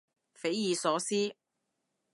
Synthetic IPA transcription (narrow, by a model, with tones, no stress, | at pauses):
fe˨˥jjiː˨˧sɔː˨˥siː˥